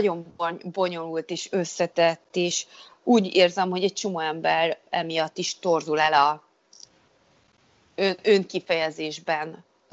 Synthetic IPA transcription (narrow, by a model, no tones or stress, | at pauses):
o̞mbo̞ɲo̞lult̪eːʃø̞sːɛt̪ɛt̪ːeːʃ | uːɟeːrzɛmɦo̞ɟɛc̚t͡ʃo̞moːɛmbɛrɛ̰mijɒt̪ːiʃt̪o̞rzulɛlɒ | ønøŋkifɛjɛzeːʒbɛn